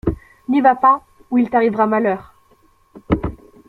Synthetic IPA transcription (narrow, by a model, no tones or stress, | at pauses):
nivapa | uilt̪aʁivʁamalœːʁ